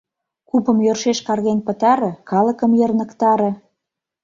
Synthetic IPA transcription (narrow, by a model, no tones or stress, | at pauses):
kupə̆mjørʃeʃkɑrɣenʲpə̆t̪ɑɾĕkɑlə̆kə̆mjə̆rnə̆kt̪ɑɾĕ